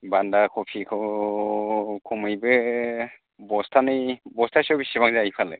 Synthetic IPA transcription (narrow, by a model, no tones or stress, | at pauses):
bandakʰɔpʰikʰɯw | kʰɔmɯjbɯ | bɔstʰanɯjbɔstʰasɔbisibaŋzajpʰalɯ̰